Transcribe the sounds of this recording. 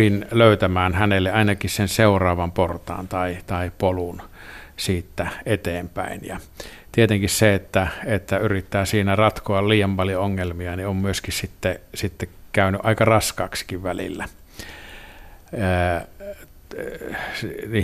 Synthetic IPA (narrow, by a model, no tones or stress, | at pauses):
inløˑyt̪æmæːnhænelːeɑˑinɑkissenseurɑːʋɑmport̪ɑ̰ːnt̪ɑit̪ɑipolunsiːt̪ːæet̪eːmpæ̰injɑ̰t̪iet̪eŋkisseet̪ːæet̪ːæyrit̪ːæːsiːnærɑt̪koɑlliːjɑmpɑljooŋːelmiɑniommyøskissit̪ːesit̪ːekæˑynyʔɑˑikɑrɑskɑːksi̥kiʋʋælḭlːæ | əː | niː